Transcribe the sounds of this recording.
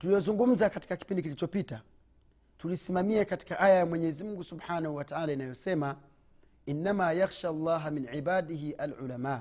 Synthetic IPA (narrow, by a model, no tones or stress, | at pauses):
tulijɔzuŋɡum̩zakati̥kaki̥pindik̬ilit͡ʃɔpita | tulisimamiɛkati̥kaʔajajamwɛɲɛzimuŋɡusubħaːnahuwataʕaːlainajɔsɛma | inːamajaxʃaːlˤːaːɦaminʕibaːdiɦiʔalʕṵlamaː